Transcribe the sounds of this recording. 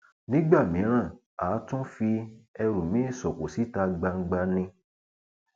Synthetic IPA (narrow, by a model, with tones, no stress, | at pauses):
nĩ˦ɡ͡ba˦˨mĩ˨˦ɾ̃ã˦˨ | aː˨˦tũ˦fi˧ɛ˧ɾũ˨mĩ˨˦e˦˨sɔ˨ko˨si˨˦ta˧ɡ͡ba˧ŋ̩˦ɡ͡ba˧nĩ˧